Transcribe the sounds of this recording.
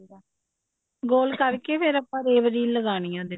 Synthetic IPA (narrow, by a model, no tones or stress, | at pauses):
ɡoːlkəɾkepʰeɾɐpːãːɾeːʋəɾiːləɡaːɳɪjãːd̪ɪ